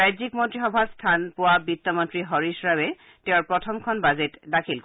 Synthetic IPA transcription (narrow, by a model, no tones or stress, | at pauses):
ajzikmɔntɹixɔbʱastʰanpʊwabitːɔmɔntɹiɦɔɹisɹawɛ | teʊɹpɹɔtʰɔmkʰɔnbazetdakʰilk